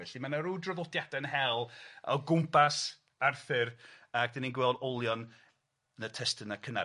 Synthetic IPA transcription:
ɛɬimanaɾuːdrɔðɔdjadaənɦɛlˠɔɡʊmpʰas | arθɪrak̚d̥ɪninɡwɛlˠdɔlˠjɔn | nətʰɛstənakʰəna̰

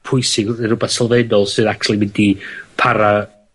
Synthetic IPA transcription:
pʰʊjsɪɡɾʊbɛθsalˠvɛdɔlˠsɨðak̚t͡ʃʰulˠimɪndipʰaɾa

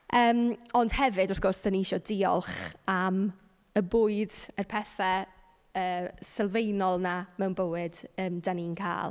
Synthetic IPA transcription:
əːmɔnd̥hɛvɨdɔrθɡ̥ʊrsd̥əniɪʃɔdɪɔ̰lˠχam | əbʊːɨdərpʰɛθɛ | əːsɛlˠvejnɔlˠnamɛwnbəwɨdəːmdaninkʰa̰ːlˠ

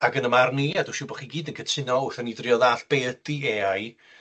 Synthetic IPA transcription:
aɡənəmarniaduʃɪwbɔχiɡiːdənɡʰətʰɪnɔʊθɛnidrjɔðaːɬb̥eːd̥ieaj

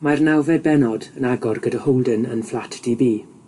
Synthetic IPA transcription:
majrnawvɛbɛnɔdənaɡɔrɡədəhowlˠdənə̰nflˠatʰd̥iːbiː

